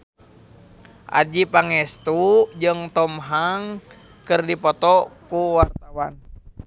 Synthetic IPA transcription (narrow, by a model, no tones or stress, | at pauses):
ʔa̰d͡ʒipaŋɛst̪ud͡ʒɨŋt̪ɔmɦaŋ | kɨrdipɔt̪ɔkuwart̪awan